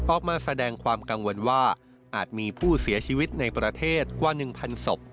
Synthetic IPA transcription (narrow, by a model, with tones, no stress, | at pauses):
ʔɔː˨˩k̚maː˧sa˧dɛː˧ŋkʰwaː˧mka˧ŋwo˧nwaː˥˩ | ʔaː˨˩t̪̚miː˧pʰuː˥˩si˩˦ɐt͡ɕʰiː˧wi˦˥t̪̚na˧jpɾa˧t̪ʰeː˥˩t̪̚kwaː˧˩nɯ˨˩ŋpʰa˧nso˨˩p̚